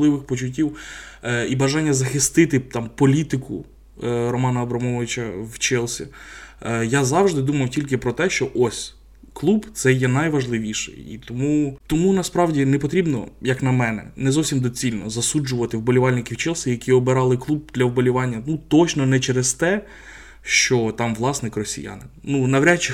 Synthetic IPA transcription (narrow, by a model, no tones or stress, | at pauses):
lˠɪʋɪxpɔt͡ʃʊt̬ʲːiw | ibɐʒɑnʲːɐzɐxɪst̪ɪt̪ɪt̪ɑmpɔlʲit̪ɪkʊ̰ | rɔmɑnɐɔbɾɐmɔʋɪt͡ʃɐwt͡ʃɛlˠsʲḭ | jazɑwʒd̪ɪd̪umɐjʊtʲilʲk̬ɪpɾɔt̪ɛʃt͡ʃɔʔɔsʲ | klˠubt̪sɛjɛnɐjʋɐʒlˠɪʋʲiʃɛ̰jḭt̪ɔmut̪ɔmunɐspɾɑwdʲinɛpɔt̪ɾʲibnɔ̰jɐknɐmɛnɛ̰nɛzɔwsʲimd̪ɔt͡sʲilʲnɔ̰zɐsud͡ʒʊʋɐt̪ɪwbɔlʲiʋɑlʲnɪkʲiwt͡ʃɛlˠsʲijɐkʲiɔbɪɾɑlˠɪklˠub̚d̪̥lʲɐwbɔlʲiʋɑnʲːɐnut̪ɔt͡ʃnɔnɛt͡ʃɛɾɪz̥t̪ɛ | ʃt͡ʃɔt̪ɑmʋlˠɑsnɪkrɔsʲḭja̰nɪnnunɐʋɾʲat͡ʃːɪ